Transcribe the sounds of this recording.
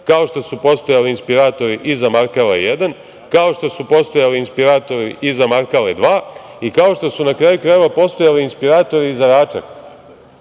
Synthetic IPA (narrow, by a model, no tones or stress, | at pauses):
kao̞ʃt̪o̞supo̞st̪o̞jaliinspiɾaːt̪o̞ɾiʔizamaɾkalejed̪an | kao̞ʃt̪o̞supo̞st̪o̞jaliinspiɾaːt̪o̞ɾiʔizamaɾkaled̪ʋaː | ikao̞ʃt̪o̞sunakɾaːjukɾaːjeʋapo̞st̪o̞jaliinspiɾaːt̪o̞ɾiizaɾaːt͡ʃa̰k